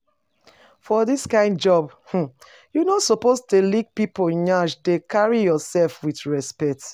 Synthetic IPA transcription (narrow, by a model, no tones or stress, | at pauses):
fɔðiskãɪ̃ndd͡ʒɔbh̩ | junotsopostelik̚pipoɲaʃdekʰaɹijɔsɛlfwiθɹɛspɛt